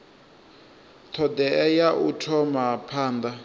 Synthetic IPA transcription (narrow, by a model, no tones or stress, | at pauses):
tʰɔd̪ɛɛjaʔutʰɔmapʰaːnd̪a